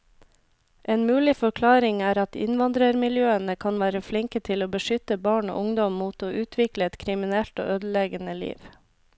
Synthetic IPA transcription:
ʔeːnmʉːlɪfɔɾkʰlɑːɾɪŋæːɾɑt̪ɪ̰nʋɑnd̪ɾəɾmɪljøːənəkʰɑnʋæːɾəflɪŋkət̪ʰɪloːbəʃʏt̪əbɑːɳo̰ːʔʊŋd̪ɔmmuːt̪oːʔʉːt̪ʰʋɪkləɛt̪kʰɾɪmɪnɛlt̪o̰ːʔøːd̪l̩eːɡənəlḭːʋ

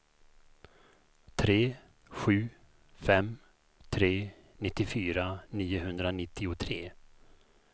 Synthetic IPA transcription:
t̪ʰɾeː | ɧʉ̟ː | fɛm | t̪ʰɾeː | nɪt̪ːɪfyːɾaniːʊɦɵnd̪ɾanɪt̪ʰːɪʊt̪ʰɾeː

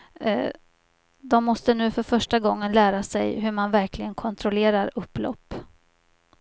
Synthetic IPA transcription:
d̪ɔmːɔst̪ənʉ̟ːfœɾfœʂʈaɡɔŋːənlæːɾasɛjɦɵɾmanvæɾkʰlɪɡənkʰɔnt̪ʰɾʊleːɾaɾɵpːlɔ̰pː

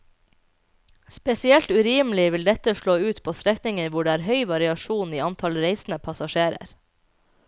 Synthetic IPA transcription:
spɛsɪɛlt̪ʉɾiːmlɪʋɪld̪ɛt̪əʃɭoːʉːt̪pʰoːst̪ɾɛknɪŋənʋʊɖeːæːɾɦœʏʋɑɾɪɑʃuːniːɑnt̪ʰɑlɾeɪsn̩əpʰɑsɑʃeːɾə̰ɾ

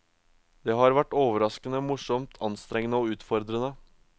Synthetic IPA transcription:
d̪̥eːhɑːɾʋæʈːoːʋəɾɑskənəmʊʂɔmt̪ʰɑnst̪ɾɛŋːənəoːʉːt̪fɔɾd̪ɾənə

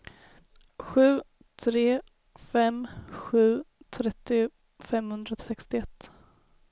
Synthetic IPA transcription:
ɧʉ̟ː | t̪ʰɾeː | fɛmɧʉ̟ːt̪ʰɾɛt̪ːɪ | fɛmhɵnd̪ɾasɛkst̪ɪɛt̪ː

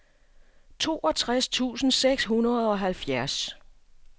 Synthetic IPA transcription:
t͡sʰo̝̰ːɒ̽t͡sʰʁast͡sʰṵːsn̩seɡ̥sɦunɐð̩ˠɒ̽ɦælfjæɐs

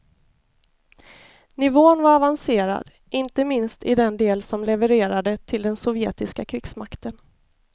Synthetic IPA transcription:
nɪvoːnvaɾavanseːɾa̰d̪ | ʔɪnt̪əmɪnst̪ɪd̪ɛnd̪eːlsɔmlɛvəɾeːɾad̪ət̪ʰɪld̪ɛnsɔvjḛːt̪ɪskakʰɾɪksmakt̪ən

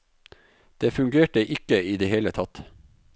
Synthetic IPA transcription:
d̪̥eːfʉŋɡeːʈəʔɪkəiːd̪eːheːlət̪ʰɑt̪

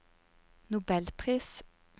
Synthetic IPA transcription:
nʊbɛlpʰʁiːs

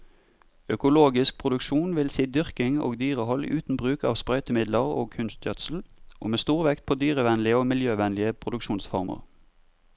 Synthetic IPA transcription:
œkʊloːɡɪsk̚pʰʁʊd̪ʉkʃuːnʋɪlsiːd̪ʏʁkɪŋo̰ːɡd̪yːʁəhɔl̰ʔʉːt̪n̩bʁʉːkɑːʋspʁœʏt̪əmɪd̪ləʁo̰ːkʰʉnst̪jœt̪sl̩ʔo̰ːmeːst̪uːʁʋɛkt̪̚pʰoːd̪yːʁəʋɛnlɪəoːmɪljøːʋɛnlɪəpʰʁʊd̪ʉkʃuːnsfɔʁmə̰ʁ

